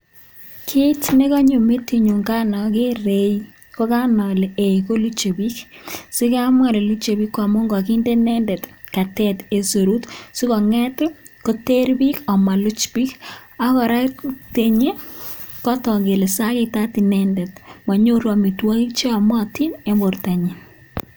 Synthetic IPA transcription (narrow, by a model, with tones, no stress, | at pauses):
kʰɪ˦tne˦kɔ˦ɲo˨me˦ti˨ɲu˨ŋɡa˦nɔ˨ke˦re˨j | ko˦ka˦nɔ˨lee˨ko˦lu˦t͡ʃe˨bi˦ksi˦ka˦mwa˦˨le˨lu˦t͡ʃe˨bi˦kːwa˨mo˦ŋɡɔ˨ki˦nde˦nɛ˦ndɛ˨tka˨tɛ˦te˨so˨ɾu˦tsi˦kɔ˨ŋɛ˦t | ko˦te˦ɾbi˦ka˨ma˨lʊ˦t͡ʃpi˦ka˦kɔ˨ɾa˦te˨ɲe˦ | kɔ˦tɔ˨ɡe˨le˨sa˦ke˦ta˦ti˨nɛ˦ndɛ˨tma˨ɲo˦ɾwa˨mi˨twɔ˦ki˦t͡ʃe˦a˨mɔ˦ti˦ne˦mbo˨rta˨ɲi˨n